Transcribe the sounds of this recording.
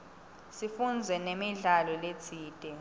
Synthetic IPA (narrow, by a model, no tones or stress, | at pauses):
sifund͡zʱɛnemiɮalɔlet͡sʰiːd̥ʼʱɛ